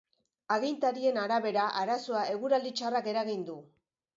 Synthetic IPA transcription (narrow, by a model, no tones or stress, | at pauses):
aɣint̪aɾie̞naɾaβe̞ɾaʔaɾaso̞ae̞ɣuɾald̪it͡ʃarake̞ɾaɣind̪u